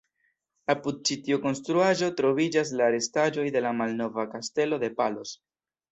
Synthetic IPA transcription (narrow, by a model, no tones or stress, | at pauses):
apud̪̚t͡ʃitiuko̞nstɾuaʒo̞tɾo̞vid͡ʒas̬laːɾe̞stad͡ʒo̞jde̞lamalno̞vakaste̞lo̞de̞palo̞s